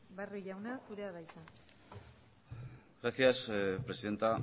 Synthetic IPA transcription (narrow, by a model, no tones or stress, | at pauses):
baruʝawnasuɾe̞aðajt̪a | ɡɾasiaspɾe̞siðe̞nt̪a